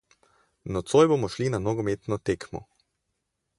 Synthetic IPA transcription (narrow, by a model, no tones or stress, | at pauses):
nɔt̪sojboːmɔʃlinanɔɡɔmeːt̪nɔt̪eːkmɔ̰